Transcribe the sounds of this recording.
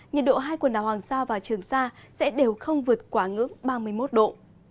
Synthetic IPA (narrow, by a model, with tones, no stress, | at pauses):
ɲə˨˩t̚ɗo̰˧˨ɦaː˧jkwə˨˩nɗaː˨˩whaː˨˩ŋsaː˧vaː˨˩t͡ɕɨ˨˩əŋsaː˧sɛ̰˧˥ɗe˨˩wxə˧wŋ͡mvɨ˨˩ət̚kwaː˧˩ŋɨ̰˧˥əŋɓaː˧mɨ˧əjmo˦˥t̚ɗo̰˧˨